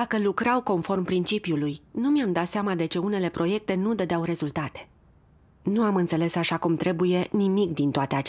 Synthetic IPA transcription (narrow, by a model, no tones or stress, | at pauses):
akəlukɾawko̞nfo̞rmpɾint͡ʃipjulujnumijamd̪at̪seamad̪e̞t͡ʃeune̞le̞pɾo̞je̞k̚t̪e̞nud̪əd̪awɾe̞zult̪at̪e̥ | nuamɨnt̪se̞le̞saʃakumt̪ɾe̞buje̞nimikd̪int̪oat̪e̞at͡ʃ